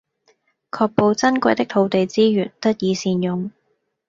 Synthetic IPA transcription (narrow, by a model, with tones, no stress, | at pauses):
kʰɔː˧k̚po˨˧wt͡sɐ˥nkʷɐ˧jt̪ɪ˥k̚t̪ʰo˨˧wt̪e˨jt͡siː˥jyː˨˩nt̪ɐ˥t̚jiː˨˧siː˧njʊ˨ŋ